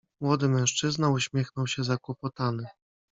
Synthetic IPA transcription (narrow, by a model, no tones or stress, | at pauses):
mwɔd̪ɘmɛ̃w̃ʂt͡ʂɘznauɕmʲjɛxnɔwɕɛzakwɔpɔt̪anɘ